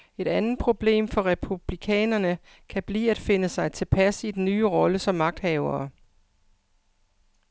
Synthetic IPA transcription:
e̝ɾ̥ænð̩ˠpʰʁo̝b̥le̝̰ːmfɒ̽ʁɛpʰub̥likʰɛ̰ːnɐnə | kʰæb̥lḭːæd̥fe̝nəsɑ̈ɪt͡sʰe̝lpʰæsid̥enːyːʁɒ̽ləsɒ̽mːɑ̈ɡ̥̚d̥hɛʊɐː

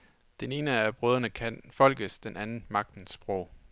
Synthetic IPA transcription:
d̥ene̝ːnəæb̥ʁœːðˠɐnəkʰænfɒ̽l̰ɡ̥əsd̥enʔænn̩mɑ̈ɡ̥̚d̥n̩sb̥ʁɔʊ̰

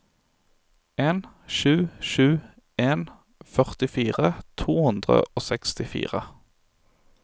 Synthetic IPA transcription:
ʔeːn | ʃʉːʃʉː | eːn | fœʁt̪ɪfiːʁət̪ʰuːhʉnd̪ʁə̰ʔoːsɛkst̪ɪfḭːʁə

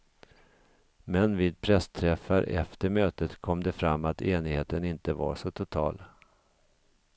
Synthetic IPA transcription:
mɛnviːd̪̚pʰɾɛst̪ʰɾɛfːaɾʔɛ̰ft̪əɾmøːt̪ət̪kʰɔmd̪ɛfɾamːat̪eːnɪheːt̪ənɪnt̪əva̰ʂɔt̪ʰʊt̪ʰɑ̰ːl

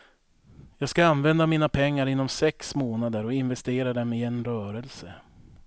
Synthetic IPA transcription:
jɑːɡskaanvɛnd̪amiːnapʰɛŋːaɾɪnːɔmsɛksmoːnad̪əɾɔɪnvɛst̪eːɾad̪ɛmɪɛnɾœːɾɛlsə

